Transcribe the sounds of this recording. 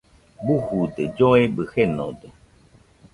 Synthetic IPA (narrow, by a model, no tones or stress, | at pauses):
buhud̪ed͡ʒoebɨheno̰d̪e